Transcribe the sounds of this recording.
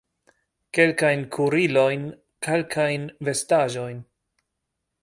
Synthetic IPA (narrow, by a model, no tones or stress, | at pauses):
ke̞lkajnkʰuɾilo̞jn | kʰe̞lkʰajnve̞staʒo̞jn